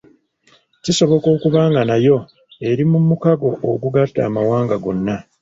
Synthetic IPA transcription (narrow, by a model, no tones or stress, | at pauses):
ciso̞βo̞ko̞ːkuβaːŋɡanajo̞ | e̞ɾimumːukaɡo̞ʔːɡuɡatːa̰ːmawaːŋɡaɡo̞nːa